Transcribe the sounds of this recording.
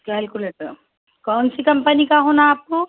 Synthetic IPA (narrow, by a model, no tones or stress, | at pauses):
kaːlkuleʈɐɾ | kɔnsikɐmpɐnikaɦonaːp̚ku